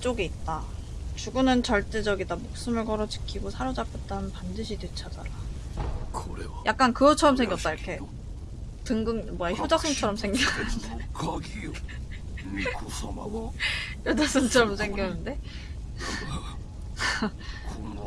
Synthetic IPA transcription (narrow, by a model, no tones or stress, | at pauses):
t͡ɕ͈oɡiːt̚t͈at͡ɕuɡɯnɯnt͡ɕʌɭt͈e̞d͡ʑʌɡidamok̚s͈ɯmɯɭkʌɾʌt͡ɕi̥kʰiɡosʰaɾod͡ʑapʰet̚t͈aɯnnpandɯɕʰitwet͡ɕʰad͡ʑa̰na | kɯɾe | jʔak̚k͈ankɯɡʌt͡ɕʰʌɾʌmsʰe̞ŋɡjʌtt͈aiɾkʰe̞ | tɯŋɡɯŋmʌeçjod͡ʑasʰɯŋt͡ɕʰʌɾʌmsʰe̞ŋɡnkɡi | çjod͡ʑas͈ʰɯŋt͡ɕʰʌɾʌms̬ʰe̞ŋɡjʌnɯnde̞